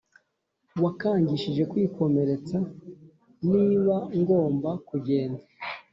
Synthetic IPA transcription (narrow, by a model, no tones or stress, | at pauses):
wakaːɲɟiʃiʒe̞kwiːkʰo̞me̞ɾe̞t͡sa | niːβaŋɡo̞ːmbakuɟe̞ːndḁ